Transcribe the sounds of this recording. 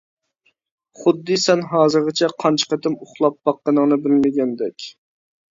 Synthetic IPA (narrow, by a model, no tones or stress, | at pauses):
χʊd̪ːɨsɛnɦɑːzɨɾʁət͡ʃʰɛqʰɑnt͡ʃʰə̥qət̪ʰɪmʊχlˠɑp̚b̥ɑqːənəŋnɨbɪlmɪɡʲɛnd̪ɛkʲ